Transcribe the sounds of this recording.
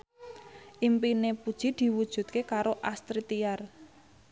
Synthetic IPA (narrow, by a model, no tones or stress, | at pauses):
ʔimpinepud̥ʒ̥i̤d̪̥i̤wud̥ʒ̥ṳt̪̚kekaɾoʔast̪ɾit̪iar